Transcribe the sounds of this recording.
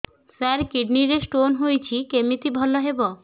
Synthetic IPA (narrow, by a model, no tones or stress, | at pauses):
sɛɾkiɖniɾesʈonɦojt͡ɕʰikemit̪ibʱɔlːoɦebo